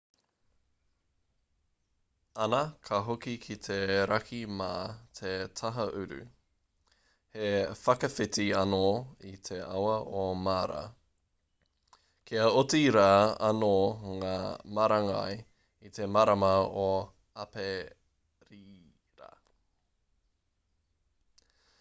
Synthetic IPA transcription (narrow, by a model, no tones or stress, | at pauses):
ɐnɐkʰɐɦokikʰit̪ʰeɾɐkʰimat̪ʰet̪ʰɐɦɐʔʉɾʉ̰ | hefɐkɐfɪtiɐnoit̪ʰeawɐʔomaːɾɐ̰ | kʰeɐotiɾaːɐnoŋaːmɐɾɐŋɐ̰j | it̪ʰe̞mɐɾɐmɐo | ɐpe | ɾiː | ɾɐ̰